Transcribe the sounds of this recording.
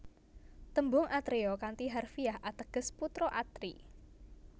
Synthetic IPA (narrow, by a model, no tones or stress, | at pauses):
t̪əmbʊŋʔat̪ɾeɔkant̪iɦarfiaɦʔat̪əɡ̥əsput̪ɾɔʔat̪ɾi